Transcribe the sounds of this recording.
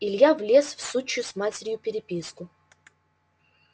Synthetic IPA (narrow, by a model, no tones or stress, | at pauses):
ilʲjavlʲesfsut͡ɕjʊsmatʲɪɾʲjʊpʲɪɾʲɪpʲiskʊ